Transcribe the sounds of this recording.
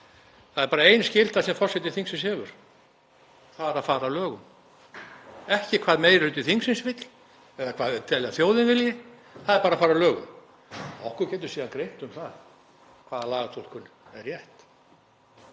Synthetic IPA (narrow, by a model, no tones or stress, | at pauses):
θaðɛɾpaːɾaejnscɪl̥t̪asɛmfɔr̥sɛt̪ɪθiŋksɪnshɛːvʏɾ̥ | θaɾaðfaːɾalœːɣʏm | ɛhcɪkʰvaːðmeːjɾlʏːt̪ɪθiŋksɪnsvɪt̪l̥ | ɛðakʰvaːðɛt̪ʰɛlɛɣaθjoːwðɪnvɪljɪ | θaðɛɾpaːɾafaːɾalœːɣʏ̰m | ɔhkʏɾcɛːt̪̬ʏɾ̥siːðankɾejn̥t̪ʏmθað | kʰv̥aːðalaːɣat̪ʰol̥kʏn | ɛɾjɛht̪